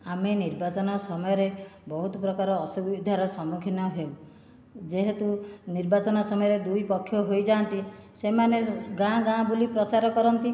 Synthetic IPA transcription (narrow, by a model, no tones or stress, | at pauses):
ameniɾbat͡ʃɔnɔsɔmɔjɔɾebɔɦut̪ɔpɾɔkaɾɔːsubid̪ʱaɾɔsɔmukʰinɔɦew | d͡ʒeɦet̪uniɾbat͡ʃɔnɔsɔmɔjɔɾed̪ujpɔkʰːjɔɦojd͡ʒant̪isemaneɡãɡãbulipɾɔt͡ʃaɾɔkɔɾɔnt̪i